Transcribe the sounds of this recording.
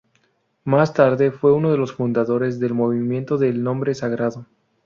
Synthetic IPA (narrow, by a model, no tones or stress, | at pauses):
mast̪aɾðe̞fwe̞unoðe̞lo̞sfund̪aðo̞ɾe̞zðe̞lmo̞βimje̞nt̪o̞ðelnõ̞mbɾesaɣɾaðo